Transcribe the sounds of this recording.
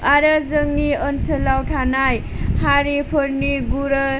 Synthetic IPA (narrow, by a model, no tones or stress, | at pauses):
aɾəzəŋniənsəlawtʰanaj | haɾipʰɔɾniɡuɾʌ